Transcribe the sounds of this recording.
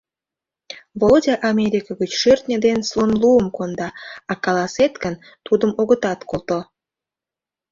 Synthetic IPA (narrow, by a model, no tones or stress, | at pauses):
vodʲɑʔɑmʲeɾʲikəɣət͡ɕʃørt̪nʲəd̪enslonluəmkond̪ɑɑkɑlɑset̪ɡən | t̪ud̪əmoɣət̪ɑt̪kolt̪o